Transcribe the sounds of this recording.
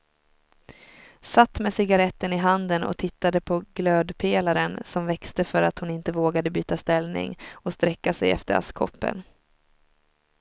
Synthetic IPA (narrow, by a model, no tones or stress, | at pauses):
sat̪ːmesɪɡaɾɛt̪ːənɪɦand̪ənɔ̰t̪ʰɪt̪ːad̪əpʰɔɡløːd̪pʰeːlaɾənsɔmvɛkst̪əfœɾat̪hʊnɪnt̪əvoːɡad̪əbyːt̪ast̪ɛlnɪ̰ŋɔst̪ɾɛkːasɛ̰jɛ̰ft̪əɾa̰skʰɔ̰pːə̰n